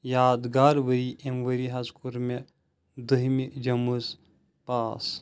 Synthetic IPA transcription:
jaːd̪ɡaːɾʋəɾiʔemʋəɾiɦɐzkuɾme | d̪əɦimid͡ʒɐmuz | paːs

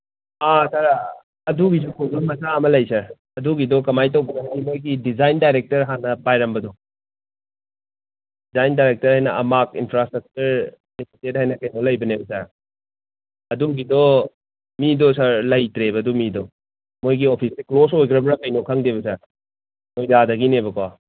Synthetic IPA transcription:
asaɾa | ɐduɡisukʰoɡɐmɐsaɐmɐlɐjsɐɾ | ɐduɡidɔkɐmajtɐwbɐnɐɦanimojɡidizajndajɾek̚tɐɾɦanɐpajɾɐmbɐdɔ | dizajndajɾek̚tɐɾhajnɐʔɐ̰mak̚ḭnpʰɾastɾɐk̚t͡ʃuɾ | esʰitet̚ɦajnɐkɐjnolɐjbɐnebɐsɐɾ | ɐduɡidɔ | midɔsaɾlɐjtɾebɐdumidɔ | mojɡiopʰisiklos̬ojkʰɾɐbɾɐkɐjnokʰaŋdebɐsɐɾ | mojdadɐɡinebɐkwa

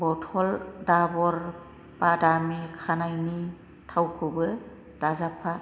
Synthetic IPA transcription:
bɔtʰɔldabɔɾ | badamikʰanajni | tʰawkʰɯbɯ | d̥azapʰa

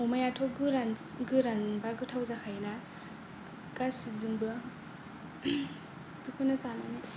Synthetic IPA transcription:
ɔmajatʰɔɡɯɾanɡɯɾaŋbaɡɯtʰawzakʰajna | kasizuŋbɯ | bikʰunasana̰ni

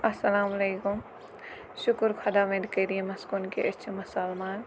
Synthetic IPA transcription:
ɐsɐlaːmɐleːkʊm | ʃʊkʊɾkʰɐd̪aʋẽnkɐɾiẽmɐskunkeʔɪt͡ʃʰmɐsalmaːn

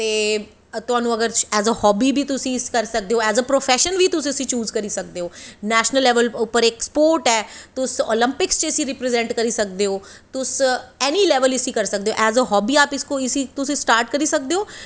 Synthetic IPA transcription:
t̪eː | t̪ʊɦaːnũːɐɡəɾɛːzəhɔːbiːbʱiːt̪ʊsĩskɐɾsək̚d̪eoːɛːzəpɾofʰɛʃənʋʱiːt̪ʊsɪsĩːt͡ʃuːzkəɾiːsɐk̚d̪eːɦoːnɛːʃnəlːɛːʋəlʊpəɾeːkspoːɾʈɛːt̪ʊso̰ːlə̃mpɪkst͡ʃəɪsĩɾɪpɾezɛ̃ɳʈkɐɾiːsɐk̚d̪eɦoːt̪ʊsɛːniːlɛːʋəlɪsiːkɐɾsək̚d̪eːɦo̰ːʔɛːzəɦɔːbiːaːpɪskoɪsit̪ʊsĩsʈaːɾʈ̚kəɾisɐk̚d̪eːɦoː

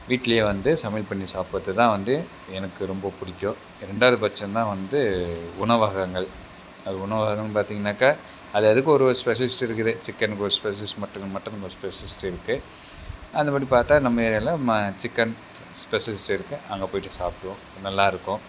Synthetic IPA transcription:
ʋiːʈːɪlɐjeːʋɐnd̪ɯsɐmɐlpɐɳːisaːpɐt̪ːɯt̪ãːʋɐnd̪ɯ | ɛnɐkːɯɾɔmbɐpʊɽɪkʲːõ | ɪɾɛɳɖaːʋðɯpɐt͡ʃːɐ̃nt̪ãːʋɐnd̪ɯʊnɐʋaːɣɐŋɡɐɭ | ɐðɯʊɳɐʋaːɣɐŋɐŋɡpaːɾt̪iːŋɡɐnːaːka | ɐðɯɛðɯk̬ːɯɔɾɯspɛʂɐlɪsʈɪɾɯkːɯðɯt͡ʃɪkːɐnɯkːɯɔɾɯspɛsɐlɪsʈmɐʈːɯ̃ŋɐmɐʈːɯ̃ɐŋɐɔɾɯspɛsɐlɪsʈɪɾɯkːɯ | ɐnd̪ɐpaːɽipaːɾt̪ːaːnɐmːɐɛɾlːãmɐt͡ʃɪkːɐn | spɛsɐlɪsʈɪɾɯkːɯʔɐŋɡɐpoːjɪʈːɯsaːpɯʋõ | nɐlːaːɪɾɯkːõ

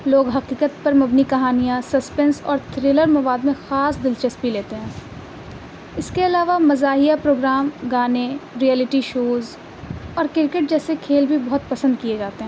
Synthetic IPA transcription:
loːɡɦɐqiːqət̪̚pɐɾmɐbnikɐɦaːnijãsɐspɛːnsɔ̰ːɾt̪ʰɾeːləɾmɐʋaːd̪mẽxaːsd̪ɪlt͡ʃɐspileːt̪eɦɛ̃ː | ɪskeɐlaːʋamɐzaːɦijapɾoːɡɾaːmɡaːneɾijɛːlɪʈiʃoːz | ɔːɾkɪɾkeʈ̚d͡ʒɛːsekʰeːlbʱibɐɦʊt̪̚pɐsə̃nd̪̚kied͡ʒaːt̪eɦɛ̃ː

